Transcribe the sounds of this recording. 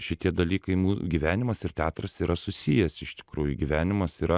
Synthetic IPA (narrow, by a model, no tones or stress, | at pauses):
ʃʲɪt̪ʲiɛd̪ɐlʲiːkɐɪmuːɡʲiʋʲæːnʲɪmɐsɪrt̪ʲæːt̪ɾɐsiːɾɐsʊsʲiːjɛsɪʃt̪ʲɪ̥kɾuːjʊɡʲiʋʲæːnʲɪmɐsiːɾɐ